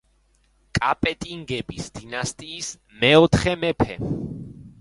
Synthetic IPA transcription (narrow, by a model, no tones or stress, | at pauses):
kʼapʼɛt̪ʼiŋɡɛbisd̪̥inast̪ʼiːs | mɛɔt̪ʰχɛmɛpʰɛ